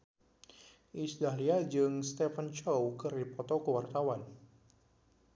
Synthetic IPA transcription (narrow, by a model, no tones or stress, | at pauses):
ʔisdaɦliad͡ʒɨŋst̪ɛfənt͡ʃowkɨripɔt̪ɔkəwart̪awan